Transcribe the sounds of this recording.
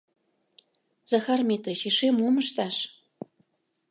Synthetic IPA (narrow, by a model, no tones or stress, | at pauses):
z̥ɑxɑrmet̪ət͡ɕeʃemumə̆ʃt̪ɑʃ